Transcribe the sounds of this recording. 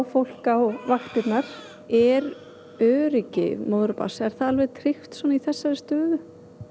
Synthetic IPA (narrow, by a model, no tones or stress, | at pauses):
fowl̥kaɔɣvaxt̪ɪt̪naɾ̥ | ɛɾ | œːɾɪcɪ̰moːwðʏɾpa̰sɛɾ̥θaðalvɛðt̪ʰɾɪft̪sɔːnaiθɛsːaɾɪst̪œːðʏ